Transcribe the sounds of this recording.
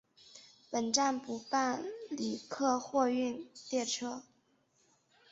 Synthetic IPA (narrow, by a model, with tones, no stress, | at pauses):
pə˨˩nʈ͡ʂa˥˩npu˧˥pa˥˩nli˨˩kʰɤ˥˧xwɔ˥˧y˥˧nt̪jɛ˥˩ʈ͡ʂʰɤ˥